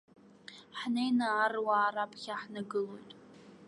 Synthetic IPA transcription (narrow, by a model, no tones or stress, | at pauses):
ħnejnaːrwaːɾapʰʼχʲaħnaɡɨlo̞̰jtʼ